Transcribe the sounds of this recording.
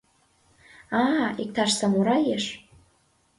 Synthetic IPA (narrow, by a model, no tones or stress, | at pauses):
ɑik̚t̪ɑʃsɑmuɾɑjeʃ